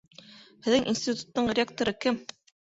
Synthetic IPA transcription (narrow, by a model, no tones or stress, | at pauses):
hɘ̆ðɘŋʔinsʲt̪ʲit̪u̥t̪ːɤɴɾʲɪak̚t̪oɾɤkɘm